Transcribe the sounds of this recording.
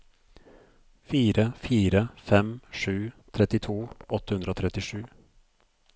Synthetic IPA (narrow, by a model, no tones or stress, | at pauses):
fiːɾəfiːɾəfɛmʂʉːt̪ʰɾɛt̪ɪt̪ʰuːɔt̪ːə̥hʉnd̪ɾəoːt̪ʰɾɛt̪ɪʂʉː